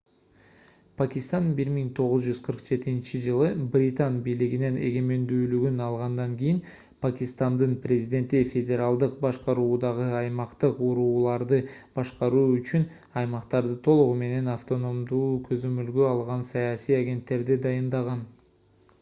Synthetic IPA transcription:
pʰakʲist̪anbiɾmiŋt̪ʰo̞ʁʊzd͡ʒyz̥qʰəɾqd͡ʒe̞t̪int͡ʃid͡ʒɯlˠɯbrʲit̪anbijliɡine̞ne̞ɡe̞me̞nd̪yːlyɡynɑlˠʁɑnd̪ɑŋɡʲijɪn | pʰakʲist̪and̪ɯnprʲezʲid̪ʲe̞nt̪ifʲe̞dʲe̞ɾalˠd̪ɯqbɑʃqɑɾuːd̪ɑʁɯɑjmɑqt̪ɯquɾuːlˠɑɾd̪ɯb̥ɑʃqɑɾuːyt͡ʃyn | ɑjmɑqt̪ɑɾd̪ɯt̪ʰo̞lˠuʁume̞ne̞naft̪o̞no̞md̪uːkʰø̞zø̞mølɡøɑlˠʁɑnsɑjɑsijaɡʲe̞nt̪ːe̞ɾd̪id̪ɑjɯnd̪ɑʁɑn

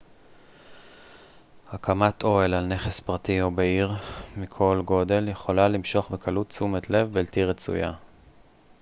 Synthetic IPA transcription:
hakʰamatʰo̞elalne̞χespʁatiobeiʁmikʰo̞lɡo̞de̞ljeχo̞lalimʃo̞χbekʰalutt͡sumetle̞vbeltiʁet͡sṵja̰

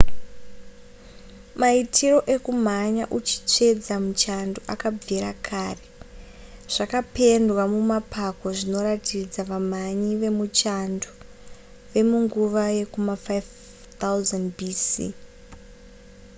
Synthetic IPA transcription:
maitʰiro̞ʔe̞kum̤aɲaʔut͡ʃi̥t͡ʂe̞d͡zamut͡ʃandoʔakab͡viɾakʰaːre | ʐ̥akape̞ndwamumapʰako̞ʐino̞ɾatʰid͡zaʋam̤aɲiʋe̞mut͡ʃando | ʋe̞muŋɡuʋaje̞kumafajv | t̪auzandbiːsḭ

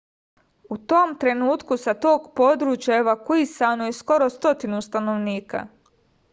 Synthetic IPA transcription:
ut̪o̞mt̪ɾe̞nuːt̪kusat̪o̞ːɡpo̞d̪ɾuːt͡ɕjaeʋakuisanojesko̞ɾo̞st̪o̞t̪inust̪ano̞ʋniːka̰

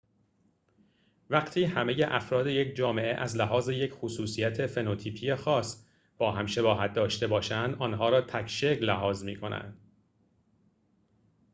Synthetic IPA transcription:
væɢt̪ʰiːhæme̞je̞ʔæfɾɒːd̪e̞je̞cʰd͡ʒɒːme̞ʔḛʔæzlæɦɒːze̞je̞cʰxosuːsijæt̪ʰe̞fe̞not̪ʰiːpʰiːjexɒːs | b̥ɒːɦæmʃe̞bɒːɦæt̪̚d̪ɒːʃt̪e̞bɒːʃænd̪ɒːnɦɒːɾɒːt̪ʰækʰʃe̞klæɦɒːzmiːkʰo̞næ̰nd̪̥

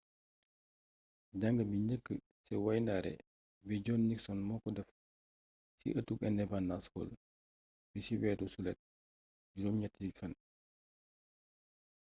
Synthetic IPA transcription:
ɟaŋɡəbiɲəkːə | sɛwajndaːɾɛ̰ | biɟɔːnːiksɔnmɔːkɔdɛf | sḭʔətːukɛnːɛbanːashɔ̰l | bisiwɛːdusulɛt̚ | ɟudɔmɲɛtːifɐn

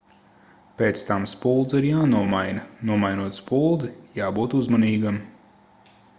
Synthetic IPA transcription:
pʲeːt̪st̪amspulˠd̪ziɾjaːnuɔmajnɐnuɔmajnuɔt̪spulˠd̪zijaːbuːt̪uzmaniːɡam

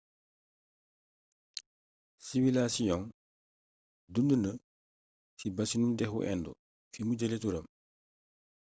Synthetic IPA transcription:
siwilasijɔŋ | dundunə | sibɐsinudɛxṵʔɛ̰ndṵ | fimuɟɐletuɾɐm

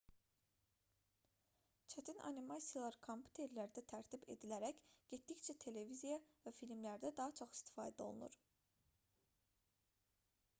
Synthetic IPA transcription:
t͡ʃʰæt̪ʰinɑ̰nimɑsijlˠɑɾkʰompʰʲu̥t̪ʰe̞ɾlæɾd̪æt̪ʰæɾt̪ʰibe̞̰d̪ilæɾæcɟ̥et̪d̪ict͡ʃʰæt̪ʰe̞le̞vizijɑvæfilmlæɾd̪æd̪ɑɦɑt͡ʃʰo̞χi̥st̪ʰi̥fɑ̰ːd̪æolˠunṵɾ

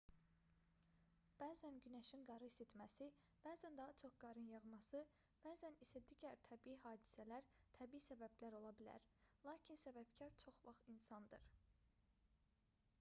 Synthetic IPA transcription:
b̥æːzænɟynæʃinɡɑɾɯiset̪mæsi | b̥æːzænd̪ɑɦɑt͡ʃʰo̞χɡ̥ɑɾɯnjɑʁmɑsɯ | b̥æːzænisæd̪iːɟæɾt̪ʰæbiiɦɑːd̪i̥sælæɾt̪ʰæbiisæbæblæɾo̞lˠɑbilæ̰ɾlˠɑːcʰinsæbæb̥cʰæɾt͡ʃʰo̞χvɑχinsɑnd̪ɯɾ

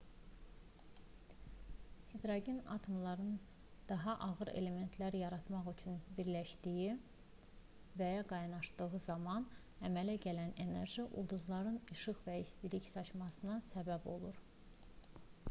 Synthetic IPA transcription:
hed̪ɾɑɟinɑ̰t̪ʰo̞mlˠɑɾɯn | d̪̥ɑɦɑʔɑɣɯɾḛle̞me̞nt̪ʰlæɾjɑɾɑt̪mɑχyt͡ʃʰynbiɾlæʃd̪iji | væjɑɡɑjnɑʃd̪ɯɣɯzɑmɑn | æmælæɟælænene̞̰ɾʒiʔṵlˠd̪uzlˠɑɾɯnɯʃɯχvæist̪iliçsɑt͡ʃmɑsɯnɑsæbæbo̞̰lˠuɾ

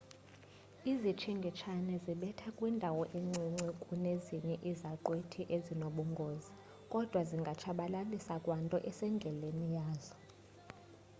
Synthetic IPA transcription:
izit͡ʃʰiŋɡʱit͡ʃʰanɛziɓɛtʰakʼwindʱawɔʔeŋ͡ǀiŋ͡ǀikʼuneziɲɛʔizaǃwetʰiʔezinoɓuŋɡʱoːzi | kʼɔd̥ʱwaziŋɡʱat͡ʃʰaɓalalisakʼwantʼɔʔɛsɛŋɡʱɛlenijaːzɔ

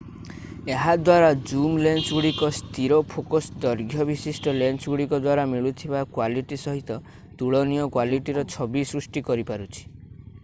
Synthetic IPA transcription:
eɦad̪waɾad͡ʒumlent͡ʃɡuɽikɔst̪iɾɔpʰokɔsd̪ɔɾɡʱjɔbisisʈɔlent͡ʃɡuɽikɔd̪waɾamiɭut̪ʰibakwaliʈisɔɦit̪ɔ | t̪uɭɔnijɔkwaliʈiɾɔt͡ʃʰɔbisɾusʈikɔɾipaɾut͡ʃʰi̥

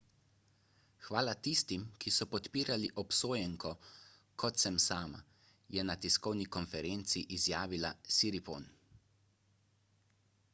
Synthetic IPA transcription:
xʋaːlat̪ist̪imkisɔpɔt̪piːɾaliʔɔpsoːjɛŋkɔ | kʰɔt̪sɛmsaːma̰ | jɛnat̪iskɔwnikɔnfɛɾent̪siʔizjaːʋilasiɾipo̰ːn

